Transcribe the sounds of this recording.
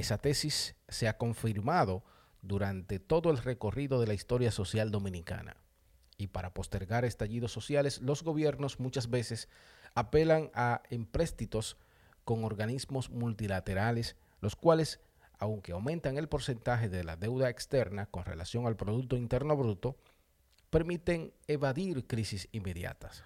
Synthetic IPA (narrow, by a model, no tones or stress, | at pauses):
e̞sat̪e̞sisːe̞ako̞ɱfiɾmaðo̞ | ðuɾant̪e̞t̪o̞ðo̞e̞lre̞ko̞riðo̞ðe̞laist̪o̞ɾjaso̞sjald̪o̞mĩnika̰na̰ | ipaɾapo̞st̪e̞ɾɣaɾe̞st̪aʝiðo̞sːo̞sjale̞slo̞zɣo̞βje̞ɾno̞smut͡ʃasbe̞se̞sape̞laŋaempɾe̞st̪it̪o̞s | ko̞ŋo̞ɾɣanizmo̞smult̪ilat̪e̞ɾale̞s | lo̞skwale̞s | awŋke̞awmẽnt̪aŋe̞lpo̞ɾse̞nt̪axe̞ðe̞la̰ðe̞wðaekst̪e̞ɾnako̞nre̞̰la̰sjo̞ŋalpɾo̞ðuk̚t̪o̞int̪e̞ɾno̞βɾut̪o̞ | pe̞ɾmit̪e̞ŋeβaðiɾkɾisisimːe̞ðja̰t̪ḁs